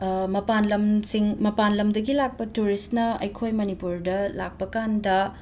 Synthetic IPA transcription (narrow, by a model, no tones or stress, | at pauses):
mɐpanlɐmsiŋmɐpanlɐmdɐɡilak̚pɐtuɾistnɐɐ̰jkʰojmɐnipuɾdɐla̰k̚pɐkandɐ